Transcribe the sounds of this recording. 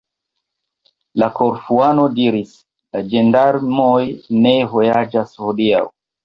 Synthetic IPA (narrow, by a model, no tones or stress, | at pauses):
lakoɾfuanodiɾis | lad͡ʒendaɾmojneɦojad͡ʒashodia̰w